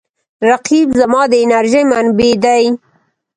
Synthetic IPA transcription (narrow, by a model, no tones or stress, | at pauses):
ɾaqibzamɑd̪əɪnaɾʒəjmanbed̪aj